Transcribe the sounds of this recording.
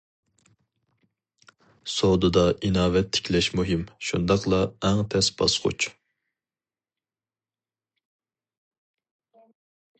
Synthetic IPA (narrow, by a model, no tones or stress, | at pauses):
sowd̪ɨd̪ɑʔinɑːvɛt̪ʰːɪ̥kʲʰlɛʃmuɦimʃund̪ɑqlˠɑɛŋt̪ʰɛsbɑ̰sχʰʊ̰t͡ʃ